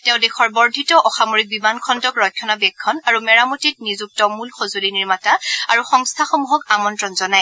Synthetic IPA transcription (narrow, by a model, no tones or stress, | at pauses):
tɛʊ̃dexɔɹbɔɹdʱitɔʔɔxamoɹik̚bimankʰɔndɔkɹɔjkʰːɔnabɛkʰːɔnaɹumɛɹamotit̚nizuk̚tɔmulxozoliniɹmataaɹuxɔŋstʰaxomuɦɔkamɔntɹɔnzɔnaj